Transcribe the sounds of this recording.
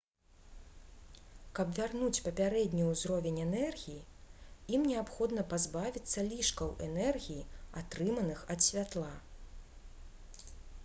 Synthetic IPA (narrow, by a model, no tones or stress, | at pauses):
kɐbvʲarnut͡sʲpɐpʲaɾɛd̪ʲnʲiwzɾɔvʲɛnʲɛnɛrɣʲijiimnʲɛapxɔd̪nɐpazbavʲit̪sːɐlʲiʂkɐwʔɛnɛrɣʲijia̰t̪ɾɨmɐnɨxɐt̪sʲvʲat̪lˠa